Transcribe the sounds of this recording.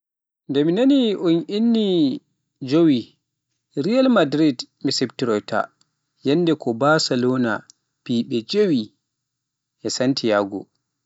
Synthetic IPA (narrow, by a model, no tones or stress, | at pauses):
ndɛminaniʔunʔinːi | d͡ʒowi | ɾijalmadɾid | miseptiɾɔjta̰ | jɛnːdɛkʰɔbasalɔna̰ | piɓɛd͡ʒewi | ʔɛsantʰijaɡɔ̰